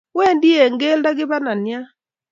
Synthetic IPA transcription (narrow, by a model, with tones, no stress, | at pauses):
we˦˨ndi˦e˨ŋɡe˦lda˦ɡɪ˦ba˦na˨nja˦